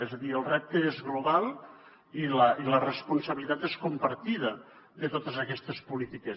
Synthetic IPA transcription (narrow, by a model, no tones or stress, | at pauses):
ɛzəðiəlˠrɛp̚t̪əezɣluβalˠ | iləilərəspunsəβilit̪at̪eskumpəɾt̪iðə | ðət̪ot̪əzəkɛst̪əspulit̪ikə